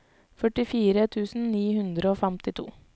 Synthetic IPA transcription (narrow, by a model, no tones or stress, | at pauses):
fœʈɪfiːɾət̪ʰʉːsn̩niːhʉnd̪ɾəoːfɛmt̪ɪt̪ʰṵː